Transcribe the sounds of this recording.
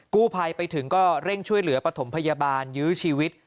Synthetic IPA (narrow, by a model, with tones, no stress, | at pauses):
kuː˥˩pʰa˧jpa˧jt̪ʰɯ˩˦ŋkɔː˥˩ɾe˥˩ŋt͡ɕʰu˥˩əjlɯ˨˩˦ɐpɾa˧t̪ʰo˩˦mpʰa˧ja˧baː˧njɯː˦˥t͡ɕʰiː˧wi˦˥t̪̚